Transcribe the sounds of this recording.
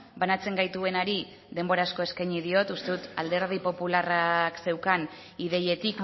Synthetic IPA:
banat͡se̞ŋɡajt̪ue̞naɾi | ðe̞mbo̞ɾasko̞e̞skajɲiðio̞t̪ust̪e̞ðut̪ald̪e̞ɾð̞ipo̞pularakse̞wkaniðe̞je̞t̪ik

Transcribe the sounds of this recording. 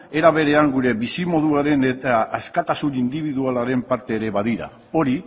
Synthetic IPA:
e̞ɾaβe̞ɾe̞aŋɡuɾe̞βisimo̞ðuaɾe̞net̪aːskat̪asunind̪iβ̞iðualaɾe̞mpaɾt̪e̞ːɾe̞βaðiɾa̰ | o̞ɾi

